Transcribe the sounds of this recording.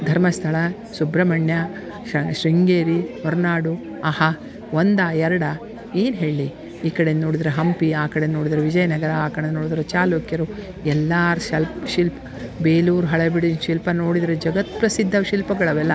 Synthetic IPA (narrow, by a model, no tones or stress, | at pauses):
d̪ʱɐɾmɐst̪ʰɐɭɐ | subɾɐmɐɳjɐ | ʃɾiŋɡeːɾimɐɾnaːɽu | ɐhɐ | ʋond̪aɛɾɐɽɐ | eːnɦe̞ːɭli | iːkɐɽennoːɽid̪ɐɾeɦɐmpiaːkɐɽenno̞ːɽid̪ɐɾeʋid͡ʒɐjɐnɐɡɐɾɐaːkɐɽenoːɽid̪ɐɾet͡ʃaːloːkjɐɾu | ɛlːaɾʃɐlpʃilpɐ | beːluːɾɦɐɭɐbiɽinʃilpɐno̞ːɽid̪ɐɾed͡ʒɐɡɐt̪̚pɾɐsid̪ʱːɐʃilpɐɡɐɭɐʋɛlːɐ